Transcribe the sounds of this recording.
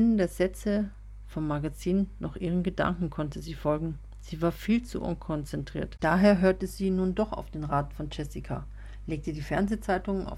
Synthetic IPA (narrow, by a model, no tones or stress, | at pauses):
nəndeːɐzɛt͡sə | fɔmːaɡat͡siːnnɔχʔiːʁənɡəda̰ŋkŋ̩kʰɔntəziːfɔlɡŋ̩ | z̥iːvaːɐfiːlt͡sṵʔʊ̰nkʰɔnt͡sɛntʁ̥ḭːɐtd̥aːɦeːɐɦøːɐtəziːnuːndɔχa̰ʊfd̥eːnʁaːtn̩fɔnt͡ʃɛsikʰa̰ | leːk̚tədiːfɛɐnzet͡saɪtʊŋəna̰ʊ